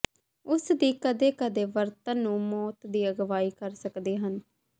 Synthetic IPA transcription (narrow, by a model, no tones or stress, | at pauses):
ʊsd̪iːkəd̪eːkəd̪eːʋəɾt̪ənːũːmɔːt̪d̪iːəɡʋaːiːkəɾsəkd̪eːɦən